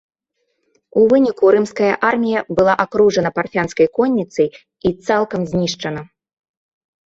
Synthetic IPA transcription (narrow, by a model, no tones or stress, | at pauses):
uvɨnʲikuɾɨmskɐjɐʔarmʲijɐbɨlˠaʔakɾuʐɐnɐparfʲanskɐjkɔnʲːit̪sɐj | it̪salˠkɐmzʲnʲiʂt͡ʂɐnɐ